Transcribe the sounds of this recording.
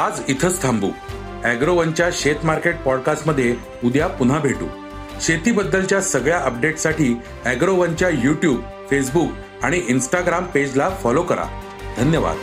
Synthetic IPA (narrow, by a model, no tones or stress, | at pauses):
ad͡zit̪ʰət͡st̪ʰambṵː | æɡɾoʋəɲt͡ɕjaɕet̪maɾkeʈ̚pɔɽkasʈməd̪ʱːje | ud̪ʱjapun̤abʱeʈṵː | ɕet̪iːbəd̪ːəlt͡ɕjasəɡɭjaʔəp̚ɖeʈsaʈiː | æɡɾoʋəɲt͡ɕjajuʈjub | fes̬buk | aɽ̃iʔinsʈaɡɾamped͡ʑlafɔlokəɾa̰ | d̪ʱənjəʋa̰d̪